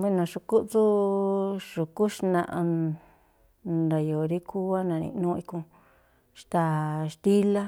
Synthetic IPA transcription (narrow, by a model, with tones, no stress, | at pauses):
βe˦nã˨ʂu˧ku˦ʔt͡su˦ | ʂu˨ku˦ʃnã˧˨ʔã˧ | nda˨jo˨ɾi˦kʰu˦a˦nã˨˧nḭ̃˧nũ˦˧i˧kũ˧ | ʂt̪a˧˨ʂt̪i˦la˦